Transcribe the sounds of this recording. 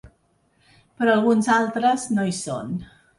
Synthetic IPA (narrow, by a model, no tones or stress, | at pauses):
pɾɔəlˠɣunzalˠt̪ɾəznoiso̰n